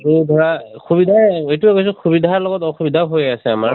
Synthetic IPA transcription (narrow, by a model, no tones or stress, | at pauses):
edʱɔɹaxubidʱaejtuɛkojs̬ɔxubidʱaɹlɔɡɔtɔxubidʱaɦojasɛamaɹ